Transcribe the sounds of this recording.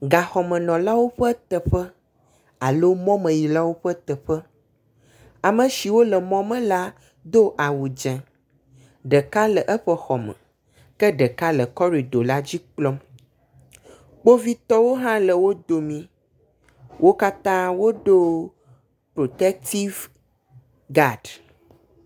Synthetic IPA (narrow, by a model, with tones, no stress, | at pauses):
ɡa˨xɔ˨mə̃˨nɔ̃˨la˦wo˦ɸə˦t̪ə˨ɸə˦ | a˨lo˦mɔ̃˦mə̃˨ji˨la˦wo˦ɸə˦t̪ə˨ɸə˦ | a˨mə̃˨ʃi˨wo˦lə˨mɔ̃˦mə̃˦la˦ | d̪o˦ʔa˨wu˨d͡ʒɛ̃˨ | ɖə˨ka˦lə˨ʔɛ˦ɸə˦xɔ˨mə̰̃˨ | kɛ˦ɖə˨ka˦lə˨kɔ˦ɾi˨ɖo˨la˦d͡ʑi˦k͡plɔ˦m | k͡po˦vi˦t̪ɔ˦wo˦ɦã˦lə˨wo˦d̪o˨mĩ˦ | wʔo˦ka˦t̪ã˦wo˦ɖo˦ | pɾo˨t̪ɛ˦k̚t̪i˦v | ɡa˦˨ɖ